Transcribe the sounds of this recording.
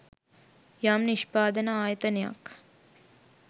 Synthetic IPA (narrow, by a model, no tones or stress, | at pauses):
jamniʃpaːd̪ənəaːjət̪əneja̰k